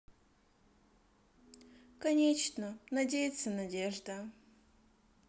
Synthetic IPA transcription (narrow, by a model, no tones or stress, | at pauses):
kɐnʲet͡ɕnənɐdʲejɪt̪sənɐdʲeʐd̪ə